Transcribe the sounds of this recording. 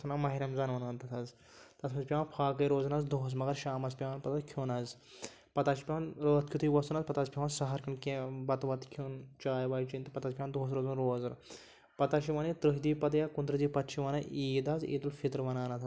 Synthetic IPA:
sunamɐɦiɾɐmzɐnʋɐnʋɐnt̪ɐt̪ʰɐz | t̪ɐsʰmɐzpʲaːnpʰaːkɐjɾoːzɐnɐzd̪oːɦs̬mɐɡɐɾʃaːmɐspʲaʋnpɐt̪akʲʰjuːnɐz | pɐt̪aːʃi̥pʲanɾoːt̪̚kʰʲut̪ʰuiʋɐsunɐzpɐt̪aːzpʲaʋansɐɦɐɾkɐnkẽbɐt̪ʋɐt̪kʰunt͡ʃaːjʋaːjt͡ʃint̪ɨpɐt̪aːzʲpʲand̪oːs̬ɾoːzunɾoːzɐɾ | pɐt̪aʃiʋɐnit̪ɾɨɦd̪iːpɐt̪ɐjakund̪ɾɨd̪iːpɐt̪t͡ʃʰiʋɐnɐiːd̪aːzḭːd̪ulfit̪ɾʋɐnaːnɐt̪ʰ

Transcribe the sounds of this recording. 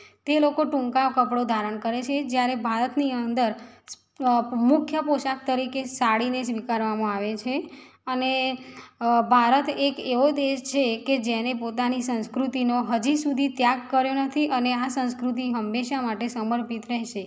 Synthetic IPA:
t̪elokoʈũŋkakəpɽod̪ʱaɾəɳkəɾet͡ʃʰed͡ʒjaɾebʱaɾət̪niənd̪əɾ | mʊkʰjəpoʃak̚t̪əɾikesaɽinesʋikaɾʋamãaʋet͡ʃʰeəne | bʱaɾət̪ekeʋod̪eʃt͡ʃʰeked͡ʒɛnepot̪anisə̃nskɾut̪inoɦəd͡ʒisud̪ʱit̪jaɡkəɾjonət̪ʰiʔəneasə̃nskɾut̪̬iɦəmːeʃamaʈesəməɾpit̪ɾɛɦʃe

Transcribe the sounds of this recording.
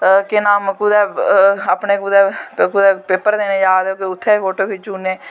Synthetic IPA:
kɪnaːmkuːd̪ɛːaːpneːkud̪ɛːkuːd̪ɛːpeːpəɾd̪eːnẽːjaːd̪oːkeʊt̪ʰːeːʋoːʈoːbiːt͡ʃuːneː

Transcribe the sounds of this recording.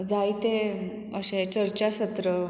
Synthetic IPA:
d͡zait̪e | əɕẽt͡ɕəɾt͡ɕasət̪ɾə

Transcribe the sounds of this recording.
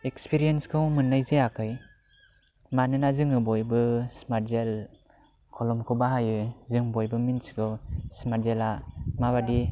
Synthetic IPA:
ekspiɾijenskʰɯwmɯnːajzeakʰɯj | manɯnazɯŋɯbɔjbɯsmaɾzel | kʰɔlɔmkʰɯbaɦajɯzɯŋbɔjbɯminskɯwsmaɾzelamaβadi

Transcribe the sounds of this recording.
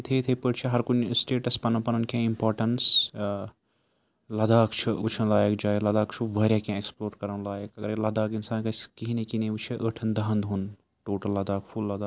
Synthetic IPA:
it̪ʰejt̪ʰəjpəʈt͡ʃʰiɦɐɾkunsʈeːʈɐspɐnɐ̃pɐnɐnkẽimpaːɾʈɐns | lɐd̪aːkt͡ʃʰiut͡ʃʰɐnlaːjekd͡ʒaːjlɐd̪aːkt͡ʃʰuʋəːɾʲjakãːeksploːɾkɐɾɐnlaːjekɐɡəɾelɐd̪aːkinsaːnkɐskiɦinekineʋut͡ʃʰiʔəʈʰɐnd̪ɐɦɐnd̪ɦun | ʈoːʈɐlːɐd̪aːkpʰulːɐd̪aː

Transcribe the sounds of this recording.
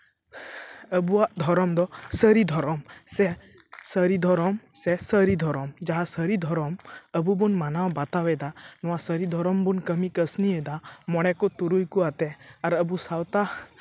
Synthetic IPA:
əbuad̪ʱɔɾɔmd̪ɔsəɾid̪ʱɔɾɔmse | səɾid̪ʱɔɾɔmsesəɾid̪ʱɔɾɔmd͡ʒaɦasəɾid̪ʱɔɾɔməbubunmanawbat̪aʋɛd̪anɔwãsəɾid̪ʱɔɾɔmbunkəmikəsnied̪amɔɽ̃ɛkɔt̪uɾujkuat̪ɛaɾəbusawt̪a

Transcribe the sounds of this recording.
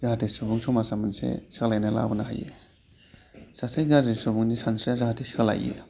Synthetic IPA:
zaɦatesubuŋsɔmasamansḛsaklajnala̰bɯnaɦa̰jḛ | sasajɡazɾisubuŋnisansɾiazaɦatʰesikla̰jḛ

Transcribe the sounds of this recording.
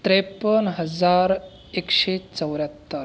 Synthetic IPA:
t̪ɾepənɦəd͡zaɾ | ekɕet͡səwɾjat̪ːəɾ

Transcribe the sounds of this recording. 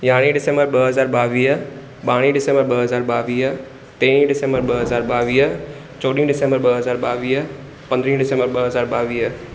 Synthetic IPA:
jaːɽ̃iɖɪsẽmbəɾɓəɦɐzaːɾɓaːʋiːɦ | ɓaːɽ̃iɖɪsẽmbəɾɓɐɦəzaːɾɓaːʋiːɦ | t̪eːɽ̃ĩɖɪsẽmbəɾɓɐɦɐzaːɾɓaːʋiːɦ | t͡ɕoːɗĩɖɪsẽmbəɾɓɐɦɐzaːɾɓaːʋiːɦ | pɐ̃nd̪ɾĩːɖɪsẽmbəɾɓɐɦəzaːɾɓaːʋiːɦ

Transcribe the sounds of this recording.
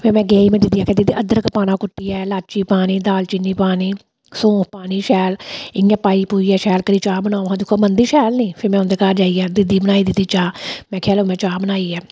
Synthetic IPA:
pʰemɛ̃ːɡɛːiːmɛ̃ːd̪ɪd̪iːaːkəd̪iːd̪iəd̪əɾkəpaːnãːkʊʈːiːɛːlaːt͡ʃiːpaːniːd̪aːlt͡ʃɪnːiːpaːniː | sõːkʰpaːniːʃɛːlɪjãːpaːiːpuːiːɛːʃɛːlkəɾiːt͡ʃaːbənãːoɦãːd̪ɪkʰːoːmənd̪iːʃɛːlnĩːpʰɪːmɛ̃ːʊ̃nd̪eːkaːɾd͡ʒaːiːaːd̪ɪd̪iːbənaːiːd̪ɪt̪ːiːt͡ʃaːmɛ̃ːkʰɛːloːmɛ̃ːt͡ʃaːbənaːiːɛː

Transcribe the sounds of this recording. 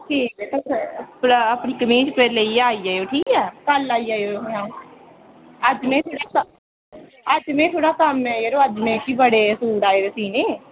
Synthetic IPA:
ʈʰiːkeːt̪oɾəpniːkəmĩːt͡ʃpeɾleiːaːiːaːjoːʈʰiːkɛːkəlaːiːaːoːɦãː | əd͡ʒmẽːt̪ʰoːɽaːs | əd͡ʒmẽːt̪ʰoːɽaːsəmɛ̃ːjeɾoːəd͡ʒmẽːkiːbəɽeːsuːɽaːeːd̪eːsiːneː

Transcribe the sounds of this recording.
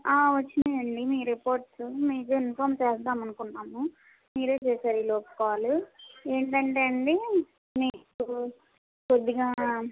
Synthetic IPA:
aːʋɐt͡ʃːineɐɳɖimiːɾipoːɾʈsmiːkeːɪnfaːɾmt͡ʃeːsd̪aːmɐnɯkuɳɖaːmu | miːɾeːt͡ʃeːsaːɾiloːpkaaːlueːɳʈɐɳʈeːɐɳɖi | niːku | pod̪iɣaː

